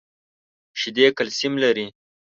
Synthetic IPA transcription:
ʃid̪ekalsimlaɾi

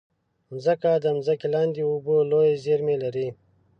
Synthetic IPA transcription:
mzɐkaːd̪ɐmzɐkilaːnd̪iuboloːjezeːɾmeːlɐɾiː

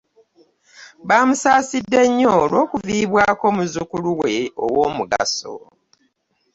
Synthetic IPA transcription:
βaːmusaːsidːe̞ɲːoːlwo̞ːkuviːβwaːko̞ːmuzukuluwe̞o̰woːmuɡa̰so̞̰

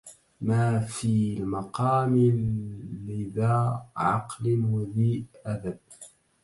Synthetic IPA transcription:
maːfiːlmɑqɑːmɪː | ɪðaːʕɑ̰qlwaðiːʔʔad̪ab̚

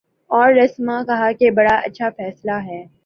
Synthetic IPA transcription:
ɔːɾːɐsmãkɐɦakebɐɽaɐ̰tːʃʰafɛːslaɦɛː

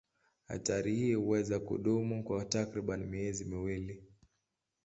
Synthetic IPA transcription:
ha̰taɾihiːhuwɛzakṵɗumukwatakɾiɓanimiɛzimiwili

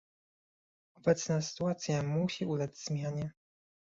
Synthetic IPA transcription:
ɔbɛt̪snasɘ̥t̪uat̪sʲjamuɕiʔulazʲz̥mʲjaɲɛ

